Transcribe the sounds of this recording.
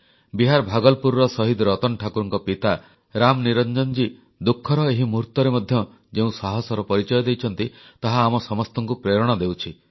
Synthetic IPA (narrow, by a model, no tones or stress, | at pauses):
biɦaɾbʱaɡɔlpuɾɾɔsɔɦid̪ɾɔt̪ɔnʈʰakuɾɔŋkɔpit̪a | ɾamniɾɔnd͡ʒɔnd͡ʒi | d̪ukʰːɔɾɔeɦimuɾt̪ɔɾemɔd̪ʱjɔ | d͡ʒeũsaɦɔsɔɾɔpɔɾit͡ʃɔjɔd̪ejt͡ʃʰɔn̪t̪it̪aɦaːmɔsɔmɔst̪ɔŋkupɾeɾɔɽ̃ɔd̪ewt͡ʃʰi